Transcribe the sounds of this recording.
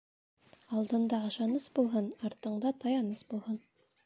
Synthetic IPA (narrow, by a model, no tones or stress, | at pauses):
ɑlˠd̪ɤ̆nd̪ɑɤ̆ʃɑnɤsbulˠɦɤnɑɾt̪ɤ̆ɴd̪ɑt̪ʰɑjɑnɤsbulˠhɤn